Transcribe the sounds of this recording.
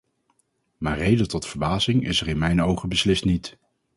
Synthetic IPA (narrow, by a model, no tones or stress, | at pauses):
maːɹrejdətɔtfəɹbaːzɪŋɪ̰səɹɪnmɛjnowχəbəslɪstnit